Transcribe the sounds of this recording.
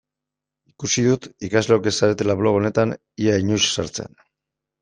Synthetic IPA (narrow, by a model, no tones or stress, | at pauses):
ikusiðut̪ikazleoke̞saɾe̞t̪e̞laβlo̞ɣo̞ne̞t̪an | iaiɲuʃsaɾt͡sḛn